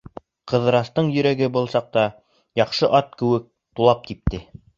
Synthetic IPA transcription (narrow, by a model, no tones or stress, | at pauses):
qɤ̆ðɤ̆ɾɑst̪ɤɴjɵ̆ɾæɡɘbɤ̆lˠsɑq̚t̪ɑ | jɑqʃɤʔɑt̪̚kɘ̆wɘk̚ | t̪ulˠɑp̚k̪ip̚t̪ɘ